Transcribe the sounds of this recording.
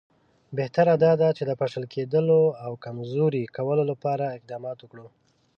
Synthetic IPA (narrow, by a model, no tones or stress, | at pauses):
beht̪aɾad̪ɑd̪at͡ʃed̪əpaʂəlkʰed̪əloawkamzoɾikawəlolapɑɾaɪq̚d̪ɑmɑt̪wʊkɽu